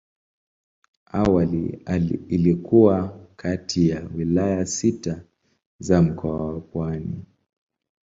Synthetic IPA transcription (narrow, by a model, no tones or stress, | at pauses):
awalḭaːlikuwakʰatʰijawilajasita | zam̩kʰɔawapwani